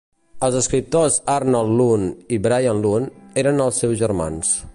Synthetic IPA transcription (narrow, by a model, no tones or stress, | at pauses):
əlˠzəskɾip̚t̪ozaɾnɔllunibɾajanluneɾənəlˠsːɛwzʒəɾma̰ns